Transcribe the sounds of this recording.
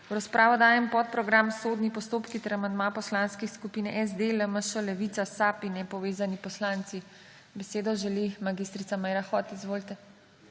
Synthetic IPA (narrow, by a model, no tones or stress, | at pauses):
wɾaspɾʔaːʋɔd̪aːjɛmpɔt̪̚pɾɔɡɾamsoːd̪nipɔst̪oːpkit̪ɛɾamand̪mapɔslanskixskupiːnɛʔɛzd̪eləməʃəlɛʋit̪sasaːpinɛpɔʋeːzanipɔslant̪si | bɛseːd̪ɔʒɛlimaɡist̪ɾit̪amɛjɾaxɔt̪izʋoːlit̪ɛ